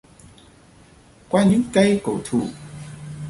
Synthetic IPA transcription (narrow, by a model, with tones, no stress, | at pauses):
kwaː˧˥ɲɨ˧˥˦ŋka˧jko˨˩t̪ʰu˨˩